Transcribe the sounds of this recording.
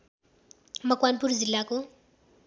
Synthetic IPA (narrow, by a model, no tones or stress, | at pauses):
makwanpuɾuzilakɔ